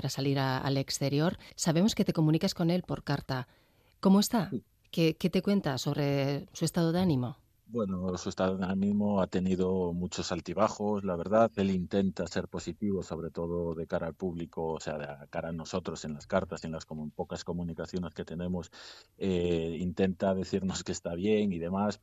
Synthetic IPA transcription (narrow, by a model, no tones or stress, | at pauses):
aɾasaliɾaa̰le̞kst̪e̞ɾjo̞ɾsaβ̞e̞mo̞ske̞t̪e̞ko̞mũnikasko̞ne̞lpo̞ɾkaɾt̪a | ko̞moe̞st̪a | keket̪e̞kwe̞nt̪aso̞βɾe̞suest̪að̞oðeanĩmo̞ | bwe̞nosuest̪aðoðeanĩmo̞at̪e̞niðo̞mut͡ʃo̞salt̪iβ̞axo̞slaβ̞e̞ɾðaθe̞lint̪e̞nt̪ase̞ɾpo̞sit̪iβo̞so̞β̞ɾe̞t̪o̞ð̞o̞ðe̞kaɾaːlpuβlikoːse̞aðkaɾano̞so̞t̪ɾo̞se̞nlaskaɾt̪ase̞nlaskompo̞kasko̞mũnikaθjo̞ne̞ske̞t̪e̞nẽ̞mo̞seint̪e̞nt̪aðe̞θiɾno̞ske̞st̪aβ̞je̞ŋiðe̞mas